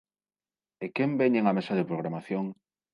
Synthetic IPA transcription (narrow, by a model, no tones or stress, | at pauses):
ekembeɲeŋamesaðepɾoɣ̞ɾamaθjoŋ